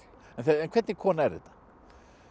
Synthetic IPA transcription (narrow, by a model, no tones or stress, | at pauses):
ɛnθɛɛnkʰvɛɾt̪nɪkʰɔːnaɛɾðɛ̰t̪ḁ